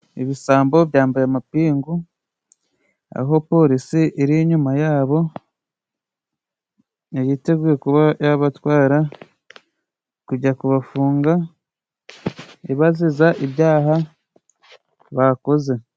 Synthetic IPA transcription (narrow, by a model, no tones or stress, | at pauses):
eβisaːmbo̞βjaːmbajamapiːŋɡu | a̰ɦo̞po̞ɾisiʔiɾiɲumajaːβo̞ | ejite̞ɡuekuβajaβatwaːɾa | kuɟakuβafuːŋɡa | eβazizaʔiβjaːɦa | βako̞ze̞